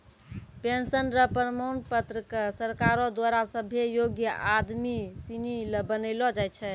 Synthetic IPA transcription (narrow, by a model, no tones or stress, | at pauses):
pensənɾəpɾəmonpət̪ɾəkəsəɾkaɾɔd̪waɾasəbʱejoɡjəʔad̪misiniləbənəɪlɔd͡ʒajt̪t͡ʃʰɛ